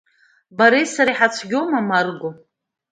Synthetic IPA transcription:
baɾisaɾiħat͡sʷʰɡʲomamarɡʷo

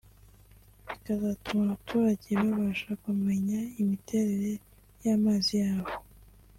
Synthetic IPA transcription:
βikazatumaβatʰuːɾaɟeβaβaʃakume̞ɲaimitʰe̞ɾe̞ɾe̞ | jamaːzijaːβo̞

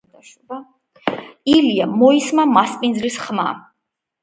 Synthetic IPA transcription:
iliamɔismamaspʼind̪zlisχma̰

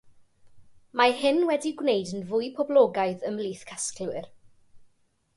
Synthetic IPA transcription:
mahɪnwɛdiɡwnejdənvʊjpʰɔblˠɔːɡaɨðəmliːθkʰasklwɨr

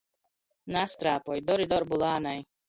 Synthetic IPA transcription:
nast̪ɾaːpɔjd̪ɔɾid̪ɔɾbulˠaːnaj

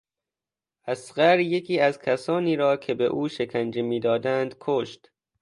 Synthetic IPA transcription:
ʔæsɢæɾje̞kʰiːæzkʲʰæsɒːniːɾɒːkʰe̞bḛʔuːʃe̞kʰænd͡ʒemiːd̪ɒːd̪ænd̪̥kʰoːʃt̪

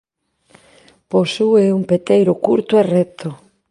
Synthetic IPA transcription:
posueumpet̪ejɾʊkuɾt̪oerɛt̪ʰo

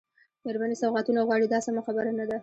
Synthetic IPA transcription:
d̪̥aɾbanisawɣat̪unaɣwɑɽid̪ɑsamaxabaɾanad̪a

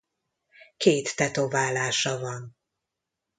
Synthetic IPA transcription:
keːt̪ːɛt̪ovaːlaːʃɒvɒn

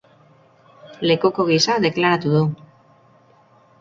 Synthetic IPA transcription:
le̞kuko̞ɣ̞isaðe̞klaɾat̪uðu

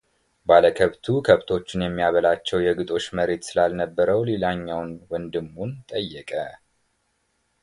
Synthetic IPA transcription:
baləkʰəβt̪ʰukʰəβt̪ʰo̞t͡ʃːɪnjɛmːijaβəlat͡ʃːɛwjɛɡɨt̪ʼo̞t͡ʃːməɾe̞t̪sɨlalnəbːəɾəwlelaɲːawnwɔnd̪ɨmːunt̪ʼəjːɛkʼə

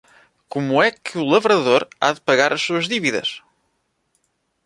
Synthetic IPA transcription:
kumuɛkʰɨulˠɐvɾɐðoɾa̰ðɨpɐɣaɾʔɐʃsuɐʒðiviðɐ̰ʃ

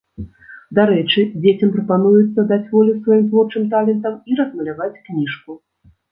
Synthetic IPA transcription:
d̪aɾɛt͡ʂɨd͡zʲet͡sʲɐmpɾɐpanujut̪sːɐd̪at͡sʲvɔlʲusvajimzvˠɔt͡ʂɨmt̪alʲɛnt̪ɐmiɾɐzmɐlʲavat͡sʲknʲiʂku

